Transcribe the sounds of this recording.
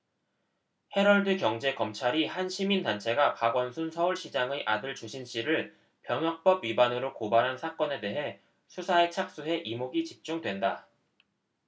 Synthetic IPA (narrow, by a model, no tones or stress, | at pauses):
he̞ɾʌɭdɯkjʌŋd͡ʑe̞kʌmt͡ɕʰaɾihanɕʰimindant͡ɕʰe̞ɡapaɡwʌnsʰunsʰʌuɭɕʰid͡ʑaŋeʔadɯɭt͡ɕoɕʰinɕ͈iɾɯɭ | pjʌŋjʌk̚p͈ʌbɥibanɯɾokobaɾɦansʰak͈ʌne̞de̞ɦe̞ | sʰusʰaet͡ɕʰak̚s͈uɦe̞ʔimoɡit͡ɕip̚t͡ɕ͈uŋdwe̞nda